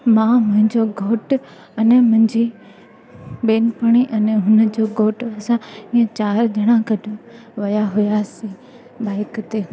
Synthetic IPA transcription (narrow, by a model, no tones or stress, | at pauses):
mãmʊ̃ɦɪ̃ɲd͡ʑoɡʱoːʈ | ɐnɛmʊ̃ɦɪ̃ɲd͡ʑi | ɓeːnɪpəɽ̃iʔɐnɛɦʊnd͡ʑoɡʱoːʈɐsãiːə̃t͡ɕaːɾd͡ʑʱɐɽ̃ãkɐɖʱũ | ʋɐjaɦʊjasĩ | baːɪkt̪eː